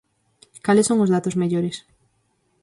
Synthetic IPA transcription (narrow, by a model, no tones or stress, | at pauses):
kalɪsːoŋʊzðat̪ʊzmeʎoɾɪs